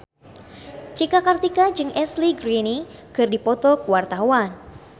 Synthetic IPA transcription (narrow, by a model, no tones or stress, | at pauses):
t͡ʃikakart̪ikad͡ʒɨŋʔɛsliɡɾinikɨrdipɔt̪ɔkuwart̪auan